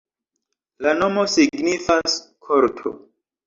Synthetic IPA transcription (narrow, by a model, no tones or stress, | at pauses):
lanomo̞siɡnifaskʰoɾtʰo̰